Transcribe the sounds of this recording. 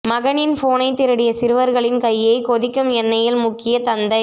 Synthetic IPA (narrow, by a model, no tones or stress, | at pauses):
mɐɣɐnɪnfoːnɐɪt̪ːɪɾɐɽɪjɐsɪɾɯʋɐɾɣɐɭɪnkɐjːɐɪkɔðɪkːɯmɛnːɐjɪlmʊkːɪjɐt̪ɐnd̪ɐɪ